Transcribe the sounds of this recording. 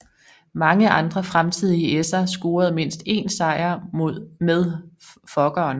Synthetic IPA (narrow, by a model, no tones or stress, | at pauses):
mɑ̈ŋəʔɑ̈nd̥ʁɐfʁamt͡sʰið̞̰ˠiesɐsɡ̥oːɐð̞̩ˠme̝n̰sd̥e̝̰ːnsɑ̈ɪɐoð̰ˠmeð̞ˠfɒ̽ɡ̥ɐːn